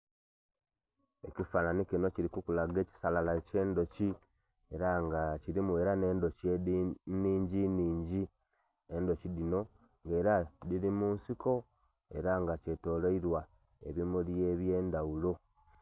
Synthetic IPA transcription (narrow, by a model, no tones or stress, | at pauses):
e̞cifananikino̞ciɾikukulaɡe̞ːci̥salalace̞ːndo̞ci | eɾaŋɡaciɾimweɾaneːndoc | niːɲɟiniːɲɟi | endo̞cidino̞ | ŋɡe̞ːɾadiɾimuːnsiko̞ | e̞̰ɾaŋɡace̞to̞ːloiɾwa | ḛβimuljeβjeːndaulo̞